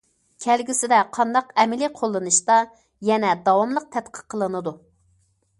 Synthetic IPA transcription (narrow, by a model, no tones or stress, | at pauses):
kʲʰɛlɡʲisɪd̪ɛqʰɑnd̪ɑqɛmɪliqʰolˠːɨnɨʃt̪ɑ | jɛnɛd̪ɑwɑmlˠəq̚t̪ʰɛt̪̚qʰə̥qʰːəlˠɨnɨd̪u